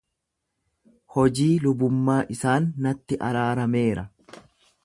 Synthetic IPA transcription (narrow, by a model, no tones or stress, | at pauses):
hɔd͡ʒiːlʊbʊmːaːʔɪsaːnːɐt̪ːɪʔɐɾaːɾɐme̞ːɾɐ